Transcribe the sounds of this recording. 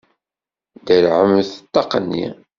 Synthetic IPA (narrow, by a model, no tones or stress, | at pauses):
d̪əɾʕəmθət̪ːɑqːənːḭ